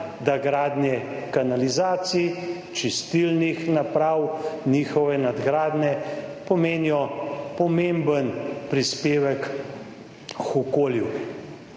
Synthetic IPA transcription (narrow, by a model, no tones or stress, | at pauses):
d̪aɡɾaːd̪nɛkanalizaːt̪sij | t͡ʃist̪ilnixnapɾaːwniːxɔʋɛnad̪ɡɾaːd̪nɛpɔmeːnijɔpɔmembənpɾispeːʋək | xɔkoːlju